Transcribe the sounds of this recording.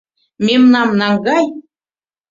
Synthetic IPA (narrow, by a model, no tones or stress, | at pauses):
memnɑmnɑŋɡɑj